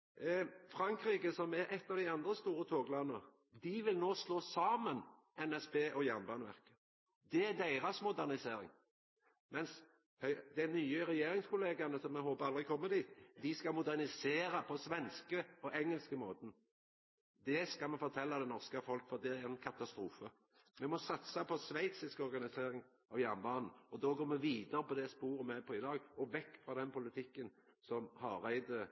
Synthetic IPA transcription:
fɾɑŋkɾiːkəsɔmæɾʔɛt̪ːɑːʋd̪æɪɑnd̪ɾəst̪uːɾət̪ʰoːɡlɑnːə | d̪ɪʋɪlnoːsloːsɑːmən | ɛnɛspeːʔɔjæʁnbɑːnəʋæ̰ʁkə̥ | d̪ɛæd̪æɪʁɑsmʊd̪æʁnɪseːɾɪ̰ŋ | mɛns | hœʏd̪ɛnːyːəɾɛjeːɾɪŋskʊleːɡɑnəsɔmːɛɦoːpəɾɑld̪ʁɪkʰɔmːəd̪iːt̪d̪ɪskɑmʊd̪æʁnɪseːɾɑpʰɔsʋɛnskəɔʔɛŋːəlskəmoːt̪ən̩ | d̪ɛskɑmɛfɔɾt̪ʰɛlːɑd̪ɛnɔʁskəfɔlkfɔʁd̪ɛæɾɛnkʰɑt̪ɑst̪ɾuːfə | mɛmɔsɑt̪sɑpʰɔsʋæɪt̪sɪskɔɾɡɑnɪseːɾɪŋ | ɑʋjænbɑːnn̩ɔd̪ɔːɡoːɾmɛʋiːd̪əɾəpɔd̪ɛspuːɾəmɛpʰɔɪd̪ɑːɡɔʋɛkːfɾɑd̪ɛnpʊlɪt̪ʰɪkːən | sɔmhɑɾæɪd̪ə

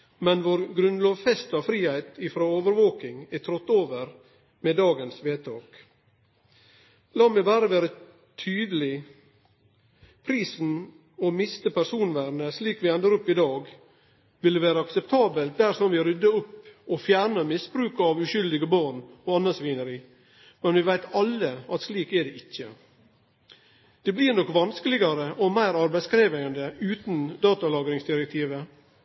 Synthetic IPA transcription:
mɛnʋoːɾɡɾʉnlɑːʋfɛst̪ɑʋfɾiːhæɪt̪ɪfɾoːoːʋəɾʋoːkɪŋɛt̪ʰɾɔt̪ːoːʋəɾ | meːd̪ɑːɡənsʋeːt̪ʰɑːk | lɑːmæɪbæːɾəʋæːɾə | t̪ʰyːd̪əlɪ | pʰɾiːsn̩ | ɔmɪst̪əpæʂuːnʋæːɾnəsliːkʋɪɛnd̪əɾɔpːɪd̪ɑːɡ | ʋɪlːəʋæːɾəɑksɛp̚t̪ʰɑːbəlt̪̚d̪æɾsɔmʋɪɾʏd̪ːəʊpɔfjæːɾɳəmɪsbɾʉːkɑʋʉʃʏld̪ɪɡəbɑːɳɔːɑnːəsʋiːnəɾiː | mɛnʋɪʋæɪt̪ɑlːəɑt̪sliːkɛɖɛʔɪçːə | d̪̥ɛblɪɾnɔkːʋɑnskəlɪɡɑɾəʔɔmæɪɾɑɾbæɪskɾeːʋæənd̪əʉːt̪nd̪ɑːt̪ɑlɑːɡɾɪŋsd̪ɪɾɛk̚t̪ʰiːʋə

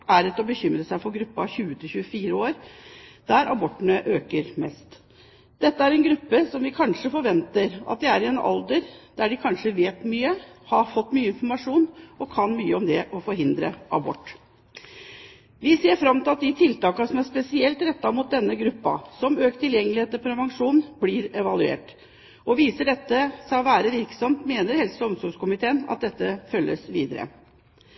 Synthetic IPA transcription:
æɾɛt̪ːɔbəçʏmɾəsæɪfɔɾɡɾʉpːɑçʉːət̪ʰɪlçʉːəfiːɾəoːɾd̪̥æɾʔɑbɔʈːəɳəʔøːkəɾmɛst̪ | d̪̥ɛt̪ːəæɾɛnɡɾʉpːəsɔmʋɪkʰɑnʂəfɔɾʋɛnt̪əɾɑ̰t̪̚d̪ɪæɾɪɛnɑ̰ld̪əɾd̪̥æɖɪkʰɑnʂəʋeːt̪myːəhɑɾfɔt̪ːmyːəɪnfɔɾmɑʂuːnɔkʰɑnmyːəɔmd̪ɛʔɔfɔɾɦɪnd̪ɾə̰ʔɑ̰bɔ̰ʈː | ʋɪseːɾfɾɑmt̪ɪlɑt̪̚d̪ɪt̪ʰɪlt̪ɑːkɑsɔmæspɛsɪɛlt̪ɾɛt̪ːɑmuːt̪̚d̪ɛnːəɡɾʉpːɑ̰sɔmøːkt̪ʰɪljɛŋːəlɪheːt̪ːəɾpʰɾɛʋɑŋʂuːnblɪɾɛʋɑlʉḛːʈ | ɔʋiːsəɖɛt̪ːəsɑʋæːɾəʋɪɾksɔmt̪meːnəɾhɛlsɔɔmsɔɾɡskʊmɪt̪ʰeːənɑ̰t̪̚d̪ɛt̪ːəfœlːəsʋḭːd̪əɾə̰

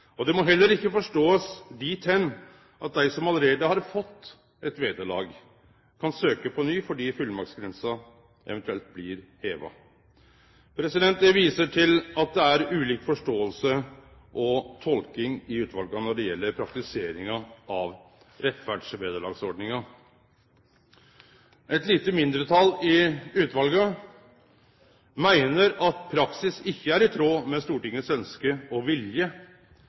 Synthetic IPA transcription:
ɔd̪ɛmɔɦɛlːəɾɪkːəfɔʂʈoːəsd̪it̪ʰɛnː | ʔɑt̪̚d̪æɪsɔmɑlɾeːd̪əhɑɾfɔt̪ː | ɛt̪ʋeːd̪əɭɑ̰ːɡ | kʰɑnsøːkəpʰɔnyːfɔɖiːfʉlmɑksɡɾɛnsɑ | ʔɛ̰ʋɛnt̪ʉɛlt̪̚blɪɾheːʋɑ̰ | pʰɾɛsɪd̪ɛnt̪̚d̪ɛʋiːsəʈʰɪlɑt̪̚d̪ɛæɾʉːliːkfɔʂʈoːəlsə | ʔɔt̪ʰɔlkɪŋɪʉːt̪ʋɑlɡɑnɔɖɛjɛlːəɾpʰɾɑk̚t̪ɪseːɾɪŋɑɑʋ | ɾɛt̪fæːɖʂbeːd̪əɭɑ̰ːɡsɔɖnɪŋɑ | ʔɛt̪liːt̪əmɪnd̪ɾət̪ʰɑlɪʉːt̪ʋɑlɡə | mæɪnəɾɑt̪pʰɾɑksɪsɪçːəæɾɪt̪ʰɾoːmɛst̪uːʈɪŋːəsœnskəɔʋɪljə

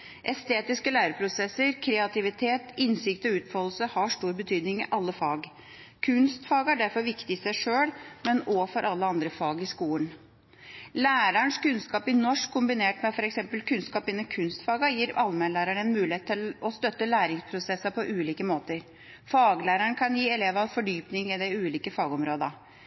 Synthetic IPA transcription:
ʔɛst̪eːt̪ɪskəlæːɾəpʰɾʊsɛsːəɾkʰɾɛɑt̪ɪʋɪt̪ʰeːt̪ɪnsɪkt̪ɔʉːt̪fɔll̩səhɑʂʈuːɾbət̪ʰyːd̪nɪŋɪʔɑlːəfɑːɡ | kʰʉnst̪fɑːɡæɖæɾfɔɾʋɪkt̪ɪsæɪʂøːɽmɛnɔfɔɾʔɑlːəɑnd̪ɾəfɑːɡɪskuːən | læːɾəɳʂkʉnskɑːpɪnɔʂkʰːʊmbɪneːʈmɛfɔɾɛksɛmpəlkʰʉnskɑːpɪnːəkʰʉnst̪fɑːɡɑjiːɾʔɑlmɛnlæːɾəɳɛnmʉːlɪeːt̪ʰːɪlɔst̪œt̪ːəlæːɾɪŋspʰɾʊsɛsːɑpʰɔʔʉːliːkəmoːt̪əɾ | fɑːɡlæːɾəɳkʰɑnjiːɛleːʋɑɑʋfɔɖyːpnɪŋɪd̪ɛʉːliːkəfɑːɡɔmɾoːd̪ɑ

